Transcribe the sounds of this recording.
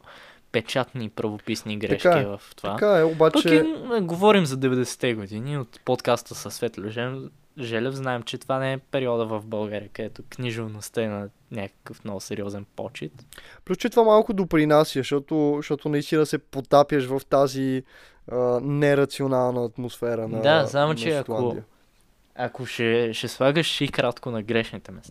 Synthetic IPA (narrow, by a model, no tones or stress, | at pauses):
pɛt͡ʃat̪nipɾəvopisniɡɾɛʃkakvɐft̪ovaakaɛobat͡ʃpɐɛiɛɡovɔɾimzɐd̪ɛvɛd̪ɛsɛ̥t̪ɛɡʊd̪iniot̪pot̪kast̪əsəsvɛt̪lʲʊʒɛm | ʒɛlʲɛvznaɛmt͡ʃɛt̪ovanɛɛpɛɾiɔd̪əvəvbɐlˠɡaɾiəkəd̪ɛt̪oknʲiʒʊvnost̪əɛnɐ | nʲakə̥kəfnɔvsɛɾiɔzɛnpɔ̰t͡ʃit̪plʲust͡ʃɛt̪vamalˠkʊd̪opɾinasiəʃɔt̪oʃt̪ɔt̪ʊnɐist̪inəsɛpot̪apjəʃvəft̪azi | ənɛɾɐt̪sionalˠnəɐt̪mosfɛɾənɐd̪azamont͡ʃɛɐt̪kao | ɐkoʃɛʃɛslˠaɡəʃʃikɾat̪konɐɡɾɛʃnit̪ɛmɛst̪